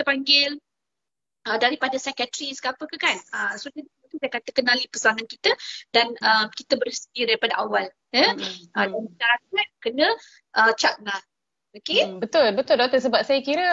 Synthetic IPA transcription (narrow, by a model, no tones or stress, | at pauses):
t̪əpaŋɡɪl | ʔədaɾipadasɛkət̪ɾiskapəkəkanəsotədiət̪usajkat̪əkənalipəsaŋankit̪ədanəmkit̪əbəɾist̪iədaɾipadaʔawal | jəʔədanməʃaɾak̚at̪̚kənə̃ | ʔət͡ʃaʔ̚lah | okebət̪ʊlbət̪ʊldot̪əs̬əbap̚sajəkiɾə